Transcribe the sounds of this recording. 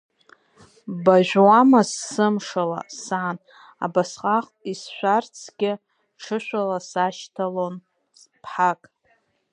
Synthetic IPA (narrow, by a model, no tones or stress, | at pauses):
baʒʷᶣwamasːɨmʂala̰saːn | a̰basqʼaχʼisʃʷᶣart͡sʰɡʲɪ | ʈ͡ʂʰɨʃʷᶣalasaʃtʰalon | s | pʰħakʼ